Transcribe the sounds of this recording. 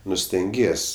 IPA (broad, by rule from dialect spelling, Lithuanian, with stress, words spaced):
ˈnʊ sʲtʲɛŋʲˈɡʲiɛsʲ